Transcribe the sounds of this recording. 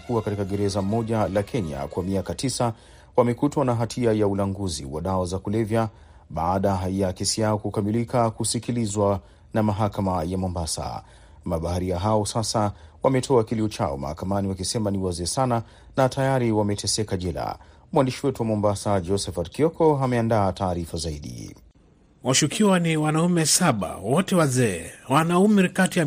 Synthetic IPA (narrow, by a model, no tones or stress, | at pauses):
kuakatikaɡɛɾɛzam̩mɔʄalakʰɛɲa̰kwamiakatisa | wamɛkutwanaɦatʰiajaulaŋɡuzḭwa̰ɗawazakulɛvja | ɓaːɗajakɛsijaɔkukamilikakusikilizwa | namaɦakamajamɔmbasa̰ | maɓahaɾiaɦaɔsasawamɛtʰɔakiliɔt͡ʃa̰ɔ̰ma̰ha̰kamaniwakisɛmaniwazɛːsana | natʰajaɾiwamɛtʰɛsɛkaʄɛla̰ | mwandiʃiwɛtuwamɔmbasad͡ʒɔsɛfatkiɔkʰɔɦamɛandaːtʰaːɾifazaiɗḭ | waʃukʰiwaniwanaumɛsaɓa̰wɔtɛwazɛːwanaumiɾkatia